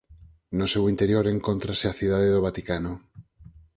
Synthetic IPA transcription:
nosewint̪eɾjoɾeŋkont̪ɾaseaθið̞aðeðoβ̞at̪ikano

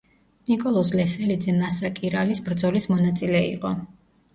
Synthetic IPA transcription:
nikʼɔlˠɔs̬lɛsɛlid̪zɛnasakʼiɾalisbɾd̪zɔlismɔnat̪sʼilɛḭqʼɔ

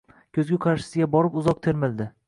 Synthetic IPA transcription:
kʲʰɵzɡʲʊqʰɑɾʃɪ̥sɪɡʲabɒɾɪpʊzɒq̚t̪ʰe̞ɾmɪld̪ɪ

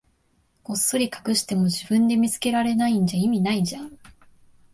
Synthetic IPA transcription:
o̞sːoɾʲikḁkɯ̟ɕi̥t̪e̞mo̞d͡ʑibɯ̟̃nd̪e̞mʲit͡sɨ̥ke̞ɾaɾe̞naĩɲ̟d͡ʑaimʲinaid͡ʑa

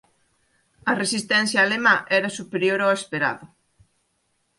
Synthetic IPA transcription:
ɐresist̪ɛn̟θjaːlemɐʔɛɾɐsupeɾjoɾoespeɾa̰ðʊ

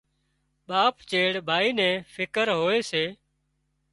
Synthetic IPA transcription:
ɓaːpt͡ʃeːɽbʱaːiːnɛ̃ːfʰɪkəɾɦoːeːseː

